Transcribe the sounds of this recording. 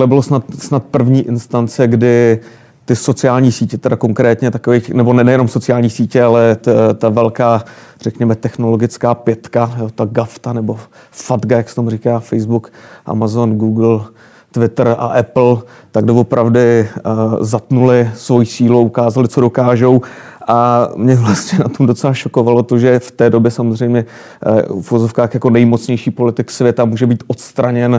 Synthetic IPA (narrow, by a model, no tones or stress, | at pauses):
lɛbɪlosnat̪snat̪̚pr̩vɲiːʔɪnst̪ant͡sɛɡdɪ | t̪ɪso̞t͡sɪaːlɲiːsiːcɛt̪ɛdako̞ŋkɾɛːt̪ɲɛt̪akovɛnɛbo̞nɛnɛjɛno̞mso̞t͡sɪaːlɲiːsiːcɛalɛtt̪avɛlkaːr̝ɛkɲɛmɛt̪ɛxno̞lo̞ɡɪt͡skaːpjɛt̪kajoːt̪aɡaft̪anɛbo̞ | fad̪ɡajaksɛ̥t̪omuriːkaːfɛjzbukʔa̰mazo̞nɡuːɡl̩ | t̪vɪt̪ɾa̰ʔɛpl̩ | t̪aɡdovo̞pɾʔavdɪ | zat̪nulɪsvo̞jisiːluaukaːzalɪt͡so̞do̞kaːʒowʔamɲɛvlast̪ɲɛnat̪omdo̞t͡sɛlaʃo̞ko̞valo̞t̪oʒɛft̪ɛːdo̞bjɛsamozr̝ɛjmɲɛ | fuvozo̞fkaːxjako̞nɛjmo̞t͡sɲɛjʃiːpo̞lɪt̪ɪksvjɛt̪amuːʒɛbiːt̪ʔot̪st̪ɾaɲɛn